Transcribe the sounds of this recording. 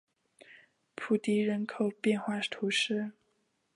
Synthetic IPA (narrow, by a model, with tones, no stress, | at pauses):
pʰu˨˥˩t̪i˧˥ɻə˧˥nkʰo˨˩ʊpjɛ˥˧nxwa˥˩t̪ʰu˧˥ʂɻ̩˥˩